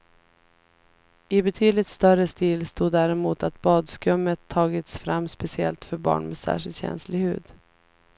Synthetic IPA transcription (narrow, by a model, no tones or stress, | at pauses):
ɪbɛt̪ʰyːd̪lɪt̪st̪œɾəst̪iːlst̪uːd̪ːæɾɛmuːt̪at̪̚bɑːd̪skɾɵmːət̪ʰːɑːɡɪt̪sfɾamːspɛsɪɛ̰lt̪fœɾbɑ̰ːɳmɛsæ̰ːʂɪlt̪ɕɛ̰nslɪhʉ̟̰ːd̪